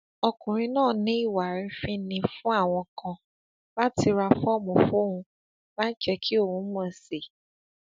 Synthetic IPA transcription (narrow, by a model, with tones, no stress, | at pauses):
ɔ˧kũ˨ɾ̃ĩ˧nãː˦˨nĩ˨˦i˦˨wa˨ɾi˧fĩ˦nĩ˧fũ˦a˦˨w̃ɔ̃˧kã˧ | la˦ti˧ɾa˧fɔ˦˨mõ˨fo˦˨hũ˧ | lã˦n̩˦t͡ʃɛ˧kʰi˦o˦˨wũ˨˦mɔ̃˨˧˨se˨